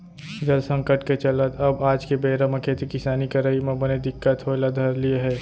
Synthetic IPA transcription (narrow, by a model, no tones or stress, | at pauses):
d͡ʒəlsə̃ŋkəʈket͡ʃələt̪ʰəbaːd͡ʒkebeːɾaməkʰet̪ʰekɪsaːnikəɾaimẽbəned̪ɪkːət̪ɦoelad̪ʱɐɾlieɦɛː